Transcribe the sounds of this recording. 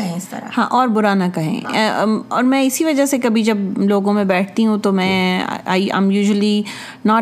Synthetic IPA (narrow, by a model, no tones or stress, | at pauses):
ɐɦẽɪst̪ɐɾahãːʔɔːɾbʊɾaːnakɐɦḛ̃ | ɔːɾmɛ̃ɪsiʋɐd͡ʒasekɐbʱid͡ʒɐbloːɡõmẽbɛːʈ̚ʰt̪iɦũt̪omɛ̰̃ːa̰ːiɐ̰ːmjuːʒəli | naː